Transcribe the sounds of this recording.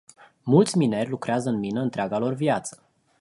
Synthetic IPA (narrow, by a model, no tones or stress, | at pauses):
mult̪sʲminerʲlukɾeazəɨnminəɨnt̪ɾeaɡalo̞rvjat̪sə̥